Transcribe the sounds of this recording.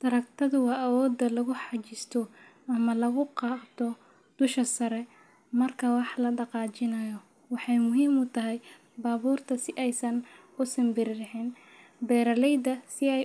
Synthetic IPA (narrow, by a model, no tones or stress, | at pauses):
d̪̥ɐɾɐkt̪ʰɐðʊwɑːʔɐwɔːd̪ːɐlɐɣʊħɑt͡ʃɪst̪ʰɔ | ɐmɐlɐɣʊqɑːt̪ʰɔ | d̪̥ʊʃɐsɐɾɛ | mɐrkʰɐwɑħlɐɖɑqɑːt͡ʃɪnɐjɔ | wɑħɑjmʊɦiːmʊt̪ʰɐɦɛj | baːβuːrt̪ʰɐsɪʔɛjsɐn | ʊsɐmbɪɾɪɖɪħɪn | bɛːɾɐlɛjd̪ɐsɪɛj